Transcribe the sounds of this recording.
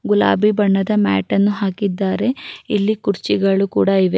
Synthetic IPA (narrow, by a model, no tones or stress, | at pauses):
ɡula̰ːbibɐɳːɐd̪ɐma̰ːʈɐnːuɦaːkid̪ːaːɾe̞ilːikuɾt͡ʃiɡɐɭukṵːɽɐiʋe̞